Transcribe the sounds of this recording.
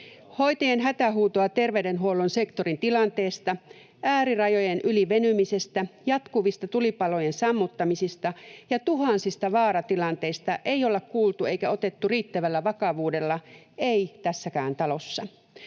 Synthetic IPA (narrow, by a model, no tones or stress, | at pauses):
ho̞jt̪ɑjenɦæt̪æɦuːt̪oɑt̪e̞rʋede̞nɦuolonsekt̪o̞ɾint̪ilɑnt̪e̞ːst̪ɑ | ʔæːɾirɑjo̞jenʔyliʋe̞nymise̞st̪æjɑt̪kuʋist̪ɑt̪ulipɑlo̞jensɑmːut̪ːɑmisist̪ɑjɑt̪uɦɑnsist̪ɑʋɑːɾɑt̪ilɑnt̪e̞ist̪ɑʔe̞ijolekkuːlt̪ue̞jkæo̞t̪e̞t̪ːuriːt̪ːæʋælːæʋɑkɑʋuːde̞lːɑ | e̞it̪æsːækæːnt̪ɑlo̞sːɑ